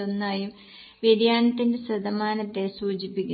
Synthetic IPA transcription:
onːaːjum | ʋed̪jaːnɐt̪ːinde̞sɐd̪ɐmaːnɐt̪ːe̞suːt͡ɕipːikʲːu

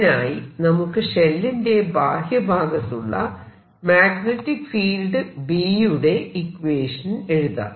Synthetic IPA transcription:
naːjinɐmukːɨʂelːinde̞bʱaːhjɐbʱaːɡɐt̪ːuɭːɐ̰ | maːɡnetːikːfiːlɖɨbiːjuɽe̞ikʋeːʂɐne̞ɻuðɐ̰

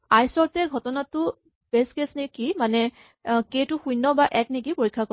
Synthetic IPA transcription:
ajsɔɹtɛɡʱɔtɔnatʊ | b̥eskesnikimanɛ | ketʊxujnːɔbaʔɛk̚nik̬ipoɹikʰːako

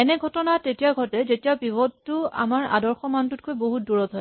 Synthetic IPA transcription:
ɛnɛɡʱɔtɔnatetijaɡʱɔtɛzetijabibɔdtʊa̰maɹa̰dɔɹxɔmantut̚kʰojboɦut̚duɹɔtɔj

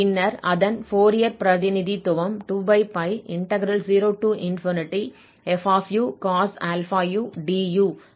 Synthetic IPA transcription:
pɪnːɐɾɐðɐnfoːɾijɐɾpɾɐðɪnɪðit̪ʊʋɐmʈuːbɐɪpɐɪɪɳʈɐɡɾɐlziːɾoːʈuːʔɪnfɔːnɪʈːi | ɛfaːfjuːkaːsɐlfaːjuːɖiːjuː

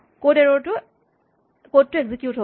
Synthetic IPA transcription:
kodeɹɔɹtʊ | kottːueɡzikjutɦo

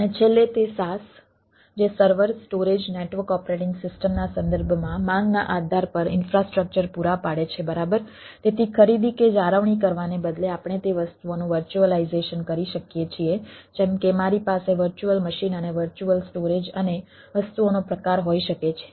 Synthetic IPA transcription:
ənet͡ʃʰelːet̪esas | d͡ʒesəɾʋəɾsʈoɾed͡ʒneʈʋəkɔpɾeʈɪŋɡsɪsʈəmnasə̃nd̪əɾbʱmãmãŋɡnaʔad̪ʱaɾpəɾɪ̰nfɾasʈɾək̚t͡ʃəɾpuɾapaɽet͡ʃʰebəɾabəɾ | t̪et̪ʰikʰəɾid̪iked͡ʒaɾəʋɳ̃ik̬əɾʋanebəd̪leapɳ̃et̪eʋəst̪uonũʋəɾt͡ʃuəlaizeʃənkəɾiʃəkjet͡ʃʰied͡ʒemkemaɾipaseʋəɾt͡ʃuəlməʃinəneʋəɾt͡ʃuəlsʈoɾed͡ʒəne | ʋəst̪uonopɾəkaɾɦoiʃəket͡ʃʰe̥

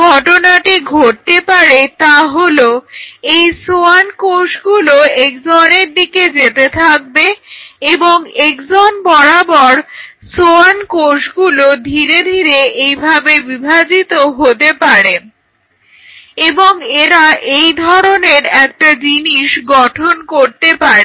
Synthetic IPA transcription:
ɡʱɔʈonaʈiɡʱoʈ̚t̪epaɾet̪aɦoloejsoankoʃɡuloek̚d͡ʑɔneɾd̪iked͡ʑet̪et̪ʰak̚beeboŋekd͡ʑɔnbɔɽabɔɾ | soankoʃɡulod̪ʱiɾed̪ʱiɾeejbʱabebibʱad͡ʑit̪oɦot̪epaɾe | eboŋeɾaʔejd̪ʱɔɾoneɾɛk̚ʈad͡ʑiniʃɡɔʈʰonkoɾt̪epaɾe

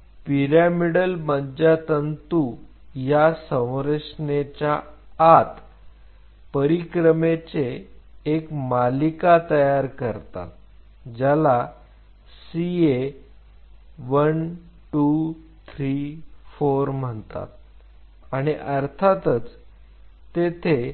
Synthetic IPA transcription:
piɾamiɽəlbəɲd͡ʑat̪ənt̪u | jasə̃w̃ɾəʂnet͡ɕaː | t̪ | pəɾikɾəmet͡seː | kmalikat̪əjaɾkəɾt̪a̰t̪̚ | d͡ʑala | sie | ʋən | ʈu | t̪ʰɾifoɾm̤əɳt̪a̰t̪̚ | aɽ̃iʔəɾt̪ʰat̪ət͡s | t̪et̪ʰe

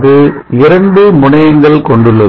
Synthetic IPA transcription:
ðɯ | ɪɾɐɳɖɯmʊɳɐjɐŋɡɐɭkɔɳɖɯɭːɐ

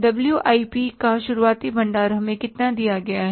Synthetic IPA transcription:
dɐbljuʔaːipikaʃʊɾuaːt̪ibʱɐ̃ɳɖaːɾəɦmẽkɪt̪nad̪ijaɡɐjaɦɛ

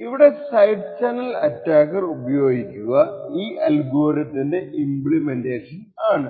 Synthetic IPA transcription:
iʋiɽe̞sɐjɖt͡ɕɐnɐlɐtːaːkːɐrubɐjo̞ːɡikʲːuɣɐiːʔɐlɡo̞ːrjɐt̪ːinde̞imbɭimende̞ːʂɐn | aːɳɨ

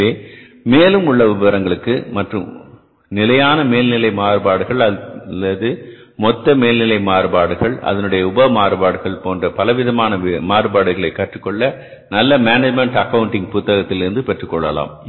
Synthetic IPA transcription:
eː | meːlɯmʊɭːɐʋɪbɐɾɐŋɡɐɭɯkːɯmɐʈrɯm | nɪlɐjaːnɐmeːlnɪlɐɪmaːɾɯbaːɽɯɣɐɭɐɐðɯ | mɔt̪ːɐmeːlnɪlɐɪmaːɾɯbaːɽɯɣɐɭʔɐ̰ðɐnɯɽɐjɐʊbɐɐmaːɾɯbaːɽɯɣɐɭpoːndrɐpɐlɐʋɪðɐmaːnɐmaːɾɯbaːɽɯɣɐɭɐɪkːɐʈrɯkːɔɭːɐ | nɐlːɐmaːnɐd͡ʒmɛɳʈɐkːɐʋɯɳʈɪŋɡ̚pʊt̪ːɐɣɐt̪ːɪlɪɾɯnd̪ɯpɛʈrɯkːɔɭːɐla̰ːm

